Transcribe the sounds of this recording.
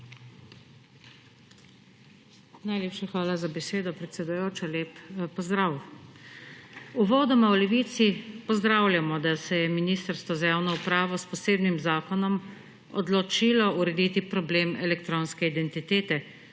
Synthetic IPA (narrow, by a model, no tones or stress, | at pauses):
najleːpʃaxʋaːlazabɛseːd̪ɔpɾɛt̪sɛd̪ujoːt͡ʃɔleːppɔzd̪ɾaw | uʋɔːd̪ɔmawlɛʋiːt̪sipɔzd̪ɾaːwljamɔd̪asɛjɛminiːst̪əɾst̪ʋɔzajaːwnɔupɾaːʋɔspɔseːbnimzaːkɔnɔm | ɔ̰d̪lɔt͡ʃiːlɔuɾɛd̪iːt̪ipɾɔbleːmɛlɛkt̪ɾoːnskɛid̪ɛnt̪it̪eːt̪ɛ